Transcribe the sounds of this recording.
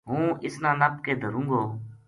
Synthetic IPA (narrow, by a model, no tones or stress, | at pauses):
ɦũːʔɪsnãːnəpkeːd̪ʱəɾũːŋɡoː